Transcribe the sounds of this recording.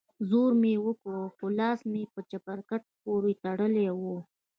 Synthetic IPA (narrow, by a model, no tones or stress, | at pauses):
zoɾmewəkoxolɑsmepət͡ʃapaɾkaʈ̚poɾet̪aɽəlewu